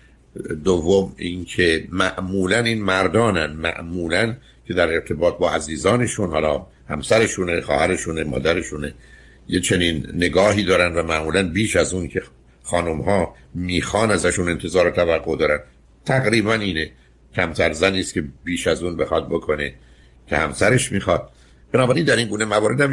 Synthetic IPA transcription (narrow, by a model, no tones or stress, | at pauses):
d̪ovːomincʰe̞mæʔmuːlæniːnmæɾd̪ɒːnænd̪mæ̰ʔmuːlæn | cʰe̞d̪æɾe̞ɾt̪ʰe̞bɒːt̪̚bɒːæziːzɒːne̞ʃunhɒːlɒː | hæ̰msæɾe̞ʃunexɒ̰ːhæɾe̞ʃuːnemɒ̰ːd̪æɾe̞ʃune | jet͡ʃʰe̞niːnːe̞ɡɒːɦiːd̪ɒːɾænd̪væmæʔmuːlænbiːʃæzuːncʰe̞ | xɒːnomhɒː | miːxɒːnæzæʃune̞nt̪ʰe̞zɒːɾot̪ʰævæɡːod̪ɒːɾænd̪ | t̪ʰæɣɾiːbæniːne | cʰæmt̪ʰæɾzæniːst̪kʲʰe̞biːʃæzuːnbe̞xɒd̪̚bokʰo̞ne̞ | cʰe̞hæmsæɾe̞ʃmiːxɒd̪̥̚ | b̥enɒːbæɾind̪æɾiŋɡuːnemævɒːɾed̪hæm